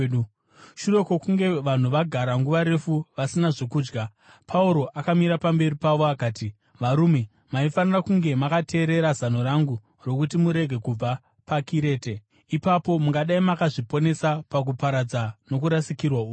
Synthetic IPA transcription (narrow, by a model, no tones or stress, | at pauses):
ʃure̞ko̞kuŋɡe̞ʋan̤uʋaɡʱaɾaŋɡuʋaɾe̞fuʋasinaʐo̞kuːd͡ʒɡa | pʰauɾo̞ʔakamiɾapambe̞ripaʋo̞akaːti | ʋaɾume̞ | maifanirakuŋɡe̞makatʰe̞ːɾe̞ɾazano̞raŋɡu | ro̞kutimuɾe̞ɡʱe̞kub͡va | pakiɾe̞ːte | ipapo̞muŋɡaɗaimakaʐipo̞ne̞sapak̬upaɾad͡zano̞k̬uɾasikirwaou